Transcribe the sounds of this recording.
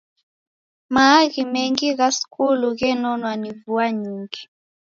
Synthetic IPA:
maːɣimɛŋɡiɣasi̥kʰuluɣɛnɔnwanivuaɲiŋɡi

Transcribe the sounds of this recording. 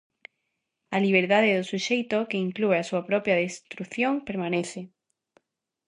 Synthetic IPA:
aliβ̞eɾðaðeðosuʃejt̪okeiŋklueasuapɾopjaðest̪ɾuθjoŋpeɾmaneθe

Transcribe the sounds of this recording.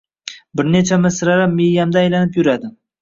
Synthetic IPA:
bɪɾne̞t͡ʃʰamɪsɾaɾamːejamd̪aːjlanɪpjʊɾad̪ɪ

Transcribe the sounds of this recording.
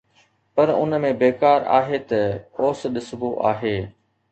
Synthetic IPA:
pɐɾʊ̰nəmẽbeːkaːɾa̰ːɦet̪ɐoːsɗɪsboʔaːɦeː

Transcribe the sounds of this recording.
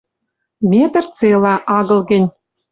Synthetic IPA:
mʲet̪ɘ̆rt͡selɑʔɑɣɤ̆lˠɡʲɘ̆nʲ

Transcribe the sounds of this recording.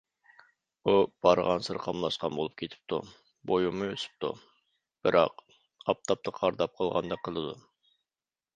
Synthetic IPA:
ub̥ɑɾʁɑnsɨɾqʰɑmlˠɑʃqɑnbolˠup̚kʲʰet̪ʰɪ̥p̚t̪ʰṵ | bojumːɨøsy̥p̚t̪ṵ | b̥ɨɾʔɑ̰q | ɑp̚t̪ʰɑp̚t̪ʰəqʰɑɾd̪ɑp̚qʰəlˠʁɑnd̪ɑqʰəlˠɨd̪u

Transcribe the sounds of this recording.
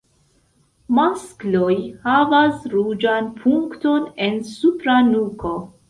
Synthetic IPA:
masklo̞jhavasɾud͡ʒanpʰuŋkto̞ne̞nsupɾanuko̞

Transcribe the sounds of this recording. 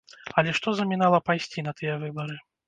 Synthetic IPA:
ɐlʲɛʂt̪ɔzɐmʲinalˠɐpajsʲt͡sʲinɐt̪ɨjɛvɨbɐɾɨ

